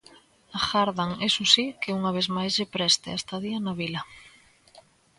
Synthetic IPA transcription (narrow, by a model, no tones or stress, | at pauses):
axaɾðaŋesusikɪuŋaβ̞ezmajzʎepɾɛst̪ɪ̰ast̪aðianaβilɐ